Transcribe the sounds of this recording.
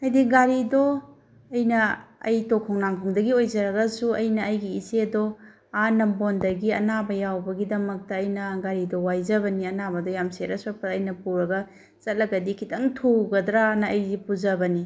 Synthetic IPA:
ɐjdiɡaɾido | ɐjnɐɐ̰jtokʰownaŋkʰoŋdɐɡiojzɐɾɐɡɐsuɐjnɐːjɡiisedɔ | anɐmbondɐɡiɐ̰nabɐjawbɐɡidɐmɐk̚tɐːjnɐɡaɾidɔwajzɐβɐniɐnabɐdɔjamseɾɐsopɐːjnɐpuɾɐɡɐ | t͡ʃɐt̚lɐɡɐdikʰitʰɐŋtʰuɡɐdɾanɐːjzipuzɐbɐni

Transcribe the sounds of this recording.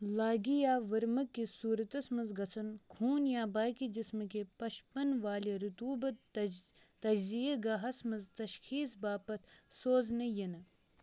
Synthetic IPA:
laːɡijaːʋɐɾmɐkːisuːɾɐt̪ɐsmɐzɡɐt͡sʰɐnkʰuːnjaːbaːkid͡ʒismɨk̬epɐʃpɐnʋaːliɾut̪uːbɐt̪ | t̪ɐd͡ʒzijɐɡaɦɐsmɐzt̪ɐʃxiːsbaːpɐt̪ʰsoːznɐjɐnɐ

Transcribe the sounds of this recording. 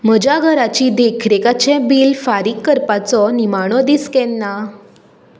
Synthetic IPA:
m̤əd͡ʑjaɡʱəɾat͡ɕiːd̪ekʰɾekat͡ɕɛ̃biːlfaɾikːəɾpat͡sɔnimaɽ̃ɔd̪iskɛnːa

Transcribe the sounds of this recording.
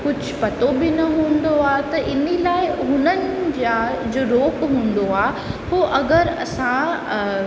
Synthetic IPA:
kʊd͡ʑʱʊpɐt̪obɪnɐɦũːnd̪oaːt̪ɐʔɪnilaːɪɦʊnənɪ̆d͡ʑaːd͡ʑoːɾoːkɦũːn̆d̪oaː | ɦoːʔɐɡəɾɐ̰sã

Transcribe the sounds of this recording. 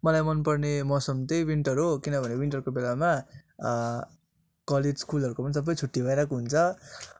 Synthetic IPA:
mʌlajmʌnpʌrnemʌsʌmt̪ʌjwiɳʈʌɾuɦokinʌbʱʌnewiɳʈʌrɾukobelama | kʌled͡zskulɦʌɾukopʌnisʌbːʌjt͡sʰuʈːibʱʌeɾakoɦunt͡sʰʌ

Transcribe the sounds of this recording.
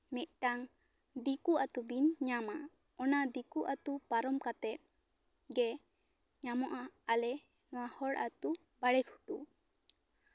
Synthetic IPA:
mit̪̚ˀʈaŋ | d̪ikuʔat̪ubinɲama | ɔnad̪ikuʔat̪upaɾɔmkat̪ɛt̪̚ | ɡɛ | ɲamɔʔaːlɛ | nɔwahɔɽʔat̪u | baɽɛkʰu̥ʈu

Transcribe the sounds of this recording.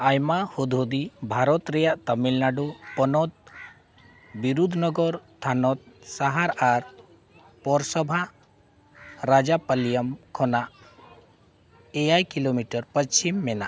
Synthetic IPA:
ajmahod̪ʱod̪ibʱaɾɔt̪ɾɛjaʔt̪əmilnaɖupɔnɔt̪̚ | biɾud̪ʱnɔɡɔɾst̪ʰanɔt̪̚saɦaɾaɾ | pɔɾsɔbʱa | ɾad͡ʒapəlijəmkʰɔnaʔ | ejajkilomiʈəɾpət͡ʃʰimːɛnaʔ

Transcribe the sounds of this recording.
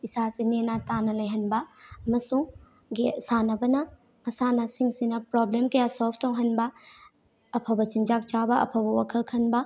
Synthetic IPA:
isasinenatanɐlɐjɦɐnbɐɐmɐsuŋ | ɡisanɐbɐnɐ | mɐsanɐsiŋsinɐpɾoblemkɐjasolb̚ʰtowɦɐnbɐː | pʰɐbɐt͡ʃind͡ʒak̚t͡ʃabɐɐ̰pʰɐbɐwakʰɐlkʰɐnbɐ

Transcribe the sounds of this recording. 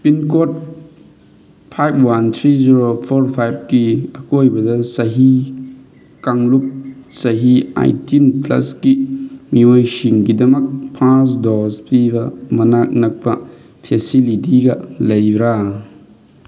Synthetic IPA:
pinkot̚ | pʰajpʰwant̪ʰɾiziɾopʰoɾpʰajb̚kiɐkojbɐdɐsɐɦi | kaŋlup̚sɐɦia̰jtinplɐ̰skimiojsiŋɡidɐmɐk̚pʰasdɔspibɐmɐnak̚nɐk̚pɐ̰ | pʰesilitiɡɐ̰lɐjbɾa

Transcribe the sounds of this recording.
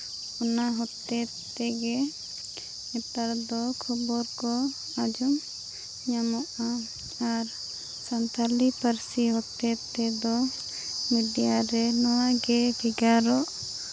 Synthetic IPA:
ɔnaɦɔt̪ːɛ | t̪ɛɡɛ | ɛt̪aɾd̪ɔkʰubɔɾkɔ | ad͡ʒum | ɲamɔʔa | aɾ | sant̪ʰalipʰəɾsiɦɔt̪ɛt̪ɛd̪ɔ | miɖijaɾɛnɔwaɡɛbʰʱiɡaɾɔʔ

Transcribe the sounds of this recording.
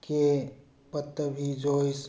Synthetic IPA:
ke | pət̪ːəbʱid͡ʒoːɪs

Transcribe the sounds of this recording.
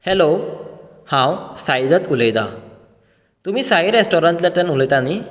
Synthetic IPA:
helo | hãwsajd̪ət̪ulejd̪a̰ | t̪um̤iːsaɦiɾesʈoɾãɳʈ̪laʈənuləjt̪ani

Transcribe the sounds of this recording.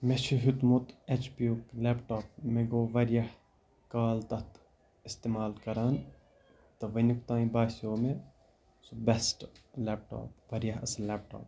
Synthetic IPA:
meʃiɦut̪mut̪et͡ʃpiuklepʈaːp̚meɡoːʋɐɾjɐh | kaːlt̪ɐt̪ | ist̪emaːlkɐɾaːn | t̪ɐʋɐnʲuk̚t̪ãːĩbaːsoːme | sobesʈlep̚ʈo̰ːpʋɐɾjɐɦɐsɐlːep̚ʈo̰ːp̚

